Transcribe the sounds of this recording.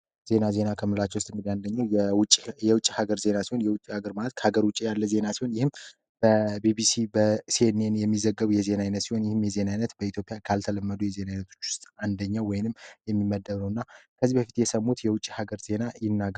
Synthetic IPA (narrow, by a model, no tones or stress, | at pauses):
z̥e̞naze̞nakʰəmɨlat͡ʃːɛwʊst̪ʼɨŋɡɨd̪iand̪əɲːawjwt͡ʃʼːijɛwʊt͡ʃʼːihaɡəɾze̞nasiho̞njɛwʊt͡ʃʼːihaɡəɾmalət̪̚kʰəhaɡəɾwʊt͡ʃʼːijalːəze̞nasiho̞njɪhɨm | b̥əbibisibəsienenjɛmːizəɡːəβujɛze̞najnət̪siho̞njɪhɨmjɛze̞najnət̪bəit̪ʰjo̞pʼijakʰalt̪ʰələmːəd̪ujɛze̞najnət̪ʰo̞̥t͡ʃːwʊ̥st̪ʼand̪əɲːawɔjnɨmjɛmːimːəd̪ːəβnəwɨnːakʰəzibəfit̪jɛsəmːut̪jɛwʊt͡ʃʼːi̥haɡəɾze̞najɪnːaɡ